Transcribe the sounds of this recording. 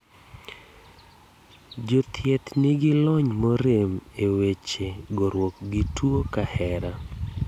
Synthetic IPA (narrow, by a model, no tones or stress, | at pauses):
d͡ʒot̪ʰjɛt̪nɪɡɪlɔɲmɔɾemewet͡ʃeɡoɾwɔk̚ɡɪtwokahɛɾa